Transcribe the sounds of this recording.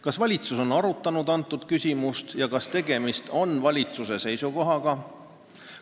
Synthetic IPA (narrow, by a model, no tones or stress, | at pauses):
kɑsvɑlʲit̪suso̞nɑɾut̪ˑːɑnud̪̥ɑnt̪ːˑud̪̥kysʲimust̪jɑkɑst̪e̞ɡ̥e̞mist̪o̞nvɑlʲit̪suse̞se̞jsuko̞ɦɑɡ̥ɑ